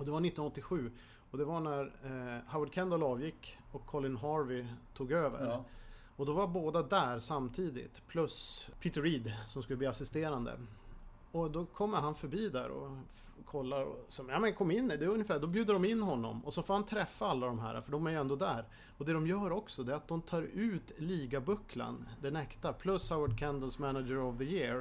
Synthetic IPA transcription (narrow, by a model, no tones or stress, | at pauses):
ɔd̪ɛvaɾɳɪt̪ːɔnɔt̪ːɪɧʉ̟ː | ɔd̪ɛvaɳæɾhawaɖ̪̚kʰɛnd̪əlɑːvjɪkːɔkʰːɔlɪnɦɑɾvɪt̪ʰuːɡøːvə̰ɾ | ɔd̪ɔvaɾboːd̪ad̪æɾsamt̪ʰiːd̪ɪ̰t̪pʰlɵspʰiːt̪ɾiːd̪sɔmskɵləb̪iːasɪst̪eːɾand̪ə̰ | ɔd̪ɔkʰɔmːəɾɦanfœɾbiːd̪æɾɔ̰ | kʰɔlːaɾɔ̰sɔmjamɛnkʰɔmːɪnːd̪ɛɵnjəfæːd̪ɔbjʉːd̪əɖɔmɪnːhɔnːɔ̰mɔsɔfoːɾhant̪ʰɾɛfːaalːad̪ɔmɦæ̰ːɾʔa̰fœɖɔmæɾjɵɛnd̪ɔd̪æːɾ | ɔd̪ɛd̪ɔmjœːɾɔksɔd̪ɛɾat̪̚d̪ɔmt̪ʰɑːɾʉ̟ːt̪liːɡabɵkʰːla̰nd̪ɛnɛkt̪apʰlɵshawəɖ̚kʰænd̪əlsmænad͡ʒəɾɔvðəjɪɾ